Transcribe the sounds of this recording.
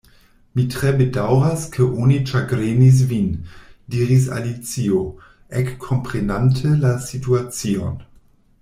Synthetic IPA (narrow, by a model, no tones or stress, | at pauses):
mitʁebedawɾaskʰəʔonit͡ʃaɡɾenis̬vindiːɾis̬a̰lit͡sio | ʔekʰːompʁenantʰəlasituat͡sion